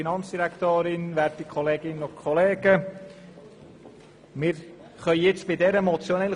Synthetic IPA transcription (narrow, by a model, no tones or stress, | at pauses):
inɑnt͡sd̥iɾæktøːɾɪnʋæːɾtikʰχoleːɡɪnənʊkʰoleːɡ̥ə | mɪːɾ | χœʏjɪt͡stb̥ɪdɛɾəmot͡sjonɛl